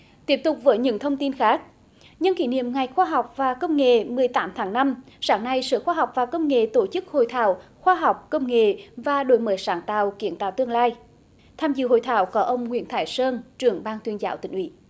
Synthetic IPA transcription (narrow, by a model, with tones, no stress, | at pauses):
t̪i˦˥əp̚t̪ʊ˨˩k͡p̚vəː˨˦jɲɨ̰˧˥ŋt̪ʰə˧wŋ͡mt̪i˧nxaː˦˥k̚ | ɲɨ˧nkḭ˧˩nḭ˧˨əmŋa˨˩jxwaː˧ɦa˨˩wk͡p̚vaː˨˩kə˧wŋ͡mŋḛ˧˨mɨ˨˩əjt̪aː˨˦mt̪ʰaː˨˦ŋna˧m | saː˨˦ŋna˧jsɨ̰ː˧˨xwaː˧ɦwk͡p̚vaː˨˩kə˧wŋ͡mŋḛ˧˨t̪o˧˩t͡ɕɨ˦˥k̚ho̰˧˨jt̪ʰa̰ː˧˩wxwaː˧ɦa˨˩wk͡p̚kə˧wŋ͡mŋḛ˧˨vaː˨˩ɗo̰˧˦jməː˨˦jsaː˨˦ŋt̪a̰ː˧˨wki˨˧˦ənt̪aː˧˨wt̪ɨ˧əŋlaː˧j | t̪ʰaː˧mzɨ̰˧˨ho̰˧˨jt̪ʰaː˧˩˦wkɔ˨˦ʔə˧wŋ͡mŋwḭ˧˥ənt̪ʰaː˧˩˦jsəː˧nt͡ɕɨ˨˩əŋɓaː˧nt̪wi˧ənzaː˨˦wt̪ï˧˩ŋ̟ʔwḭ˧˦